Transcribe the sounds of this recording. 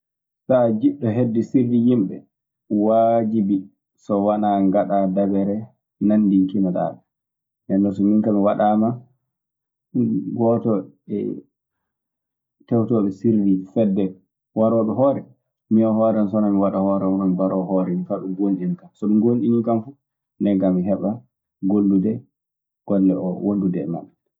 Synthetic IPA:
sad͡ʒiɗɔɦedːisiɾdijimɓɛ̰ | wad͡ʒibi | sɔwanaŋɡaɗadabɛɾɛ | nandiŋkinaɗa̰ːɓɛ | nɛnːɔs̬ɔmiŋkamiwaɗaːma | ɡɔtɔ | ɛ̰ | tɛwtɔɓɛsiɾvifɛdːɛ | waɾɔɓɛɦɔːɾɛ | miɔhɔɾɛnsɔnamiwaɗahɔɾɛɔnɔmibaɾɔhɔɾɛmifaɓɛɡonɗinkamsɔmunɡonɗiniŋkamfu | nɛɡamiɦɛɓa | ɡolːudɛ | ɡ̥ɔlːɛʔɔwondudɛma̰ɓɛ

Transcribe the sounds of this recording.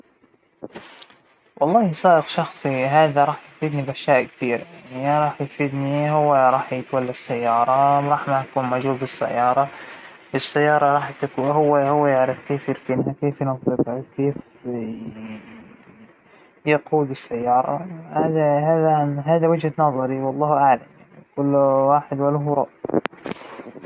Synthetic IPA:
wʔɑlˤːɑːhisˤaːʔɪqʃɑxsˤiɦaːðaɾˤɑːħj̪fiːd̪nibʔaʃjaːʔkθiːɾajaʕnʕiɾˤɑːħjɪfiːd̪nihʊwːaɾˤɑːħjɪt̪walːasːajːɑːɾˤɑwɾˤɑːħmaʔakuːnmad͡ʒhuːlbɪsːa̰jːɑːɾˤɑ | ʔɪsːajːɑːɾˤɑɾˤɑːħt̪akuhʊwːahʊwːajɪʕɾɪfkeːfjɪɾkɪnɦakeːfjɪnɑðˤːɨbhakeːf | jɪquːlɪsːajːɑːɾˤɑ̰haːðahaːðaɦaːðawɪd͡ʒhanɑzˤɑɾiwɑlˤːɑːhʔaʕlamjaikʊlːwaːħɪd̪walhɾˤɑʔ

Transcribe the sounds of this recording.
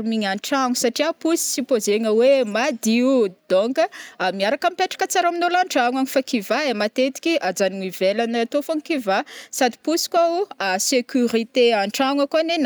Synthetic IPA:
miɲaɳʈ͡ʂaŋusaʈ͡ʂiapusi̥sipozeŋəwemad̪iud̪̥oŋkəmiaɾakamipeʈ͡ʂḁkət͡saɾaminolaɳʈ͡ʂaŋaɲifakivaemat̪et̪i̥kʲiʔad͡zanŋivelanət̪ofaŋkivasad̪i̥pusi̥kwauasekʲyɾit̪eaɳʈ͡ʂaŋakanen

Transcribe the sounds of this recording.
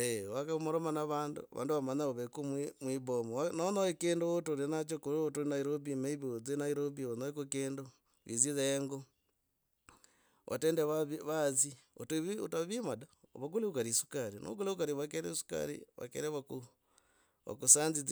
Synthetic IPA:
ewakamoɾomanaβaːndṵβa̰ːnduβamaɲaoβekumimwibomowanonoekendootolinat͡ʃokoɾotoɾinaiɾobimeiβiod͡zenaiɾobionoekokeːndo | βizizeeŋɡo | ʔa̰teːndeβaββazio̰tβiotaβimadao̰βak̬uleukaɾisu̥kaɾino̰k̬uleukaɾiβakeɾesu̥ka̰ɾḭβa̰kḛɾeβaku | βa̰kusaːnzid͡z

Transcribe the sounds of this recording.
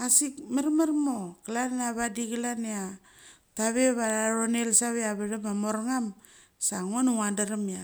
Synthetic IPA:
asikmaɾmaɾmokalanaβadikilanea | taβeβaaɾonelsaβeaβaɾamamoɾŋam | saŋonuŋandaɾamia

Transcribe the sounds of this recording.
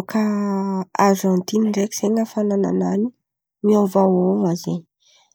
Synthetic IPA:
ka | aɾʒɑ̃nt̪inɳɖ͡ʐeki̥seŋəfanana̰nani | miovawoŋazḛɲ

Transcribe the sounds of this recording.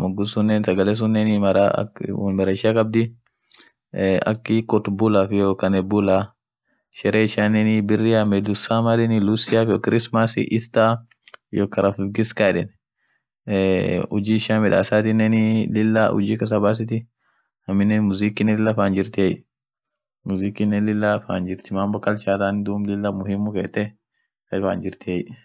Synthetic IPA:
mɔɡːʊsʊnːeːnsɐɡɐleːs̬ʊnːeːnɪmɐɾa̰w̰mɐɾɐʃɪakʼɐb̚d̪ɪ | ɐ̰kːɪkʼɔt̪bʊlafɪjokɐnɛbʊla | ʃɛɾeːɪʃaːnːɛnɪbɪrːɪamɛd̪ʊsaːmɐdɛnɪlʊsɪjafjɔkɪɾɪsmasɪ̰ʔɪst̪aː | jɔkːɐɾɐfɪɡɪskaːᶑɛn | ʊd͡ʒiːʃaːmɪᶑa̰ːsaːt̪ɪnɛnɪlɪlːaʊ̰d͡ʒiːkɐs̬abaːs̬ɪt̪ɪ | hɐmːɪnːɛnmʊziːkɪnɛlɪlːɐfaːnd͡ʒɪɾt̪ɪɛj | mʊziːkinːɛlɪlːafa̰ːnd͡ʒɪɾt̪ɪmaːmbɔkːɐlt͡ʃaːt̪aːnd̪uːmlɪlːamʊhɪmːʊkḛːt̪ːɛ | kɐfa̰ːnd͡ʒɪɾt̪ɪɛj

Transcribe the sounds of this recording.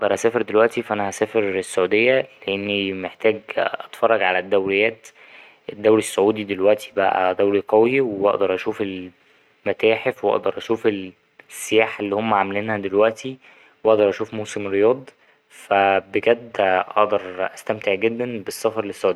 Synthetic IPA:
ʔɑʔd̪ɑɾˤʔæsæːfeɾd̪elwæʔt̪ifæʔænæhæsæːfeɾesːoʕuːd̪ejːæleʔenːimeħt̪æːɡʔɑt̪fɑrˤːɑɡʕalæd̪ːæwɾejːæːt̪ | ʔed̪ːæwɾisːoʕuːd̪id̪elwæʔt̪ʰi̥bæʔæ̰d̪æwɾiqɑwiweʔɑ̰ʔd̪ɑɾˤʔæʃuːfel | mæt̪æːħefweʔɑ̰ʔd̪ɑɾˤʔæʃuːfel | sːejæːħʔelːiːhomːæʕamæliːnhæd̪elwæʔt̪ʰi | wʔɑʔd̪ɑɾˤʔæʃuːfmoːsemɾejɑːd̪ˤ | fæbeɡæd̪ːʔɑ̰ʔd̪ɑɾˤʔæst̪æmt̪eʕɡed̪ːænbesˤːɑfɑɾˤlesːoʕuːd̪ej

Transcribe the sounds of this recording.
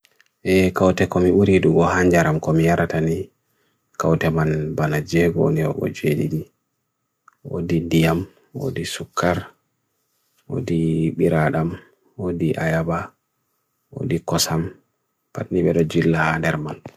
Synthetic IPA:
ʔɛkawtɛkɔmiɓuɾiduɡɔhaɲd͡ʒaɾamkɔmijaɾatani | kawtɛmanbanad͡ʒɛɡɔnɛwɔ̰ɓɔ̰d͡ʒeɗḭdi | wo̰dindijam | wo̰disukʰːaɾ | wo̰diɓiɾaɗam | wodiʔajaba | wo̰dikɔsam | patniɓɛɗɔd͡ʒilːahandɛɾman

